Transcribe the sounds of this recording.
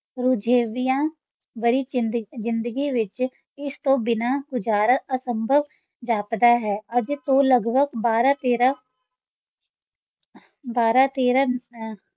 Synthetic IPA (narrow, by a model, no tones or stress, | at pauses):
ɾʊd͡ʒʱeːʋijãː | bəɾiːzɪ̃nd̪əɡiʋɪt͡ʃ | ɪst̪õːbɪnaːɡʊd͡ʒaːɾəəsəmbʱəʋ | d͡ʒaːpd̪aːɦɛːəd͡ʒt̪õːləɡbəɡbaːɾaːt̪eːɾaː | baːɾaːt̪eːɾaː